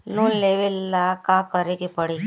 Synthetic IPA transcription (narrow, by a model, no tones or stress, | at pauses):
lunleːʋelːakakəɾekepəɽe